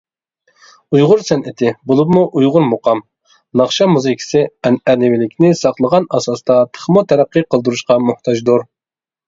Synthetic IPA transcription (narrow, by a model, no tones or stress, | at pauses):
ujʁʊɾsɛnɪt̪ʰɪbolˠupmuʔujʁʊɾmoqɑm | nɑχʃɑmuzɪkʲʰi̥sɪɛnɛlɪvɪlɪkʲnɪsɑχlˠəʁɑnɑsɑst̪ɑt̪ʰə̥χmut̪ʰɛɾæqːɨqʰəlˠd̪uɾuʃqɑmuht̪ʰɑd͡ʒd̪uɾ